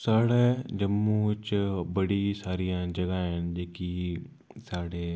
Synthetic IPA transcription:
saːɽed͡ʒɐmːut͡ʃbɐɽisaːɾijãd͡ʒɐɡaɦɪnd͡ʒeːki | saːɽe

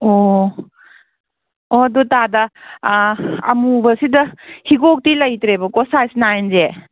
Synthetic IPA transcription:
o | odutadɐ | ɐ̰mubɐsidɐhiɡok̚tilɐjtɾebɐkɔsajsnajnze

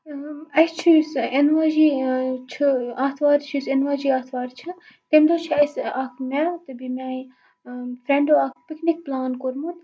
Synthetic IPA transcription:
ɐst͡ʃʰisenʋaːd͡ʒit͡ʃʰəaːt̪ʰʋaːɾt͡ʃʰusenʋaːd͡ʒiːaːt̪ʰʋaːɾt͡ʃʰɨ | t̪emd̪oːt͡ʃʰɨɐsakʰmɛ̃ːt̪ɐbimãːĩ | fɾẽɳɖoaːkʰpiknik̚plaːnkoɾmun

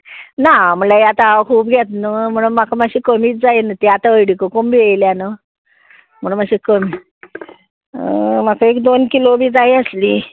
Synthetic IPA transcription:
nam̤əlajat̪akʰuːpɡʱɛt̪nəm̤əɽ̃unmakamaɕiːkəmiːd͡zajnət̪iat̪aəjɽikəkombʱiejljanə | m̤əɽũmaɕikəm̤iː | makaekd̪onkilobiːd͡zajəsli

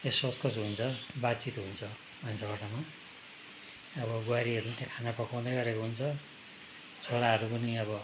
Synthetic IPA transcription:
esot̪kosɦunt͡sʰʌbad̪t͡sit̪ɦunt͡sʰʌ | bʱʌnt͡sʰʌbaʈama | ʌβʌɡoaɾiɦʌɾuet̪jãkʰanapʌkʰaw̃d̪ajɡʌɾekoɦunt͡sʰʌ | t͡sʰoɾaɦʌɾupʌniʌβʌ

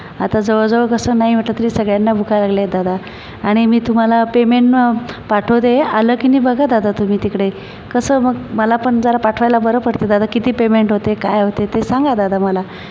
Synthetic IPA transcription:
at̪ad͡zəʋəd͡zəʋəkəsəːnaɦim̤əʈ̪at̪əɾiːsəɡɭjanːabʱukʰalaɡleed̪ad̪aː | ɽ̃imiːt̪um̤alapemeɳʈəpaʈʰəwd̪ealəkinibəɡʱad̪ad̪at̪um̤iːt̪ikɽe | kəsəːməɡməlapəɳd͡zəlapaʈʰʋajlabəɾəpəɽt̪ed̪ad̪akit̪iːpemeɳʈɦot̪ekajɦot̪et̪esaŋɡad̪ad̪aməla

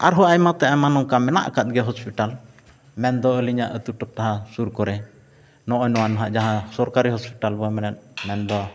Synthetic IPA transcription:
aɾɦɔajmat̪ɛajmanɔŋkamɛna̰ʔkat̪̚ɡɛɦɔspiʈal | mɛnd̪ɔəliɲaʔət̪uʈɔp̚t̪aɦasuɾkɔɾɛ | nɔʔɔjnɔwanɔɦaʔd͡ʒaɦãsɔɾkaɾiɦɔspi̥ʈalbɔmɛnɛt̪̚ˀmɛnd̪ɔ

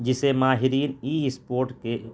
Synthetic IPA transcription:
d͡ʒɪsemaːɦɪɾiːniːɪspoːɾʈke

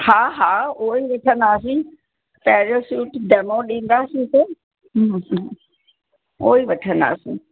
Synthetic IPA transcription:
haːɦaːoːiʋɪʈʰə̃nd̪aːs̬ĩː | pɛ̃ɦɪ̃d͡ʑosuːʈd̪ɐmoɗĩːn̆d̪aːsĩːsʰẽː | oːiʋɪʈʰə̃nd̪a̰ːsḭ̃ː

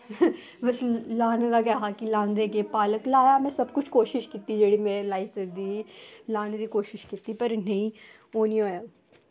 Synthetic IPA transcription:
bɐslaːned̪akɛɦakilãːnd̪ek̬epaːləklaːjamɛ̃ːsɐbkʊt͡ʃʰkoːʃɪʃkiːt̪ːid͡ʒeːɽimɛ̃ːlaːɪsəd̪ilaːned̪ikoːʃɪʃkit̪ːipɐɾnɐĩ | oːnioːjaː

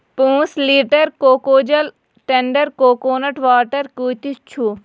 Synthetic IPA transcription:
pũːsliːʈɐɾkoːkoːd͡ʒɐl | ʈeɳɖɐɾkoːkoːnɐʈʋaːʈɐɾkuːt̪it͡ʃʰu

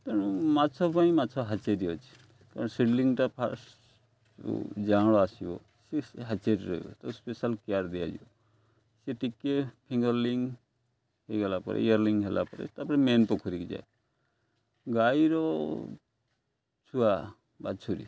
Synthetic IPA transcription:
t̪eɽɔmat͡ʃʰɔpaĩmat͡ʃʰɔɦat͡ʃeɾiɔt͡ʃʰi̥ | kaɾɔ̃nsiɖliŋɡʈapʰas | d͡ʒaŋɽɔasibɔ | seɦat͡ʃeɾiɾɔ̰ḭbɔ̰t̪ɔspesalkiaɾd̪ija̰d͡ʒḭo | seʈikːepʰĩŋɡɔɾliŋɡ | hejɡelapɔ̰ɾḛijəɾliŋɡɦela̰pɔɾḛt̪apɾemenpɔkʰuɾikd͡ʒa̰e | ɡaiɾɔ | t͡ʃʰua | bat͡ʃʰuɾḭ

